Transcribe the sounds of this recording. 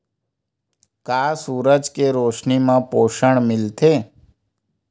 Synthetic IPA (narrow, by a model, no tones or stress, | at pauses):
kaːsuːɾəd͡ʒkeɾoːʃnimãpoːʃəɳ̃mɪlt̪ʰe